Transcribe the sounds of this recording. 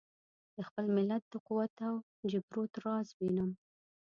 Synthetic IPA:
d̪əxpəlmɪlat̪̚d̪̥əquwat̪aw | d͡ʒɪbɾot̪ɾɑzbinəm

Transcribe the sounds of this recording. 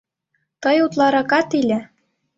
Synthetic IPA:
t̪ɤjut̪lˠɑɾɑkɑt̪ilʲɘ̆

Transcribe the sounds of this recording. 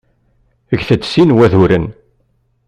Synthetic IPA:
əʝθət͡sːsinwæðuɾən

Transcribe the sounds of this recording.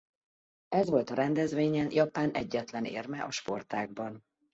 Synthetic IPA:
ɛzʋo̞lt̪ɒɾɛnd̪ɛzʋeːɲɛnjɒpaːnʔɛɟːɛt̪lɛnḛːrmɛʔɒʃpo̞rt̪aːɡ̚bɒn

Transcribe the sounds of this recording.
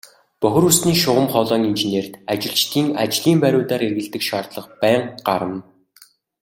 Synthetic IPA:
pœxʲɵ̆rusniːʃʊʁə̆mχɔɮɔːninʒeneːrt̪at͡ɕɪ̆ɬt͡ɕt̪ʰiːŋa̰t͡ɕɮiːmpæɾʲʊːt̪aːɾerɣɘ̆ɬt̪ɘ̆kʃaːrt̪ɮə̆χpæːɴɢaɾə̆m

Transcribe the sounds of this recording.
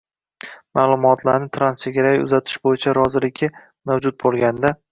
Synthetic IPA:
maːlˠʊmɒt̪ʰlaɾnɪt̪ʰɾanst͡ʃʰeɡʲaɾajʊ̰zat̪ʰɪ̥ʃbojɪt͡ʃʰaɾɒzɪlɪkʲʰɪ | mawd͡ʒʊt̪̚bolˠɡʲand̪a

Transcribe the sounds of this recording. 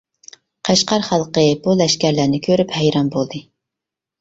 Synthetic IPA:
qʰæʃqɑɾχɑlˠqəbulˠɛʃkʲæɾlæɾnɪkʲʰøɾyphɛjɾɑnbolˠd̪ɨ

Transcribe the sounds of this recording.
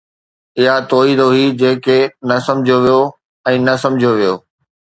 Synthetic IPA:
ɪɦat̪oːid̪oɦiːd͡ʑeːkenɐsɐ̃md͡ʑʱjoʋijo | ɛ̃ːnɐsɐ̃md͡ʑʱoʋijoː

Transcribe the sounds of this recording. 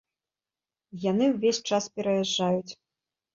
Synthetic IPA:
janɨwvʲesʲt͡ʂaspʲɛɾɐjaʐːajut͡sʲ

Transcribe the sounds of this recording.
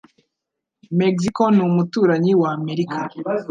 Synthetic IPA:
meks̬ikonumutuːɾaɲiwaːme̞ɾikʰa

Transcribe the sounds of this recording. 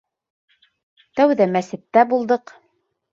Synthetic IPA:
t̪æwðæmæsɘ̆t̪ːæbulˠd̪ɤq

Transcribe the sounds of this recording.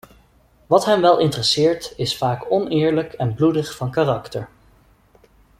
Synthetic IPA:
ʋɑtɦɛmʋɛlˠʔɪntərəsɪːɹtɪsfaːkɔnɪːɹləkɛnbludəχfɑnkarɑktəɹ

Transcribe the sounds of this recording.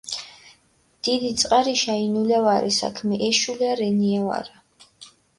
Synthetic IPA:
d̪̥id̪it̪sʼqʼaɾiʃainulɛvaɾɛsa̰kʰmɛʔɛʃuliaɾɛniava̰ɾa

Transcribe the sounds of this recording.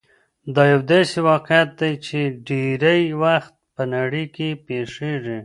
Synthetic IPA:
d̪ɑjawd̪ɑsewɑqjat̪̚d̪ajt͡ʃeɖeɾajwaxt̪̚pənaɽəjkepeʂeʐi

